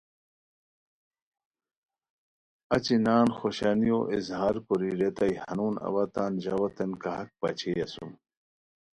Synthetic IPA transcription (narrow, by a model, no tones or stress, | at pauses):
ɐt͡ɕinaːnxoɕɐnijoʔizɦaːɾkuɾiɾet̪ɐjhɐnuːnɐ̰wɐt̪aːnʑɐwɐt̪ɐnkɐɦɐk̚pɐt͡ɕʰejɐsṵm